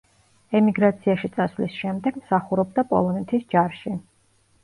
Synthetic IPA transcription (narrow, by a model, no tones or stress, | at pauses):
ɛmiɡɾat̪sʰiaʃit̪sʼasvlḭsʃɛmd̪ɛɡ̥msaχuɾɔbd̪apʼɔ̰lˠɔnɛt̪ʰisd͡ʒaɾʃi